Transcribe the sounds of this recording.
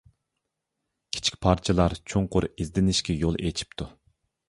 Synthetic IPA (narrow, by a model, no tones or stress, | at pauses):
kʲʰi̥t͡ʃʰi̥kʲpʰɑɾt͡ʃʰɨlˠɑɾt͡ʃʰoŋqʊɾizd̪ɪnɪʃkʲɛjolˠʔet͡ʃʰi̥pt̪ʰu